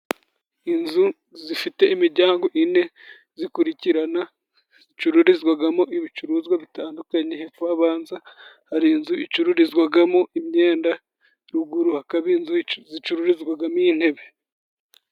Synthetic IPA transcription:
inzu | zifite̞imiɾɟaːŋɡo̞ʔine̞ | zikuɾiciɾana | zit͡ʃuɾuɾizɡwaɡamo̞ʔiβit͡ʃuɾuzɡwaβitaːndukaɲe̞hefuaβaːnza | haɾiːnzuit͡ʃuɾuɾizɡwaɡamo̞imɲe̞ːnda | ɾuɡuɾuhakaβinzuzit͡ʃuɾuɾizɡwaɡamojin̥he̞βe̞

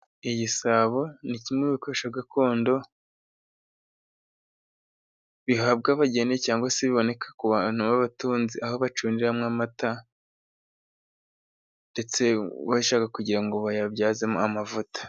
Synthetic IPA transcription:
iɟisaβo̞nicimŋeβikoeʃaɡakʰoːndo̞ | βiɦab̚ɡaβaɟenecaːŋɡwaseβiβo̞ne̞kʰḁkuβan̥uβaβatuːnziʔahoβat͡ʃuːndiɾamŋamata | nde̞t͡se̞βaiʃaːkakuɟiɾaŋɡo̞βajabɟaːzemoamavutḁ

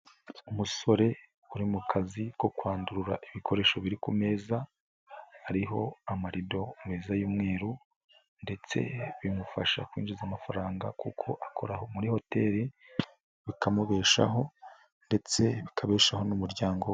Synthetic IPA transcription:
umuso̞ɾe̞ | uɾimukʰaziko̞kwaːnduɾuɾa̰ʔiβikʰo̞ɾe̞ːʃo̞βiɾikume̞ːzaː | ɾiɦo̞̰amaɾido̞mweːzajuːmŋe̞ːɾu | nde̞t͡se̞̰βimufaʃa̰kwḭːnd͡ʒuzamafaɾaːŋɡakukʰo̞ʔakʰo̞ɾaho̞muɾiho̞te̞ːɾi | βikʰamuβe̞ːʃa̰ɦo̞ | nde̞t͡se̞βikʰaβe̞ːʃaho̞numuɾɟaːŋɡo

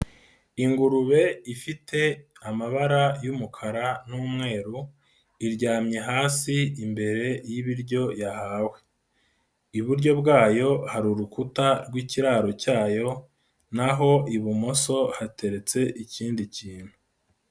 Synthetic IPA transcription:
iŋɡuɾuβe̞ifitʰe̞amaβaɾajumukʰaɾanuːmŋe̞ːɾu | iɾɟaːmɲe̞ɦaːsiimbe̞ɾe̞jiβiɾɟo̞jahawe̞ | iβuɾɟo̞bɡaːjo̞haɾuɾukutaɾɡwiːciɾaːɾo̞caːjo̞ | naɦo̞ʔiβumo̞so̞hate̞ɾe̞t͡se̞ʔiciːndiciːn̥hu

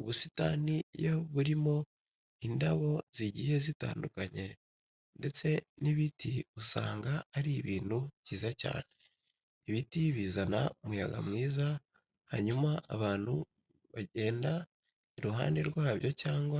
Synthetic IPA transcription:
uβusi̥ta̰nijoβuɾimo̞ | indaβo̞ziɟije̞zita̰ːndukaɲe̞ | nde̞t͡se̞niβitʰiusa̰ːŋɡaːɾiβiːn̥huciːzaca̰ːne̥ | iβitiβiːzana̰omujaɡa̰mŋiːza | haɲumaʔa̰βaːn̥hu | βaɟe̞ːnda | iɾuɦa̰ːndeɾɡwaːβjo̞caːŋɡwa

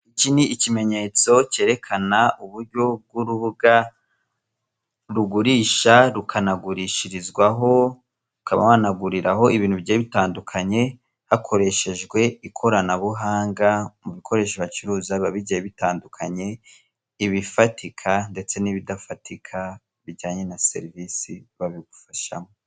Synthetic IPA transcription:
iciniicime̞ɲe̞t͡so̞ce̞ɾe̞kʰanauβuɾɟo̞b̚ɡuɾuβuɡa | ɾuɡuɾiːʃaɾukʰanaɡuɾiʃiɾizɡwaɦo̞ | ukaβa̰anaɡuɾiɾaɦo̞ʔiβiːn̥huβɟeːβitaːndukʰaɲe̞ | hakʰo̞ɾe̞ʃe̞ʒɡwe̞ikʰo̞ɾanaβuɦaːŋɡamuβikʰo̞ɾe̞ːʃiβat͡ʃuɾuːzaβaβiɟajeβitaːndukʰaɲe̞ | iβifatikʰande̞t͡se̞niβidafatʰikʰa | βiɟaːɲe̞nase̞̰ɾivisiβaβiɡufaʃa̰mo

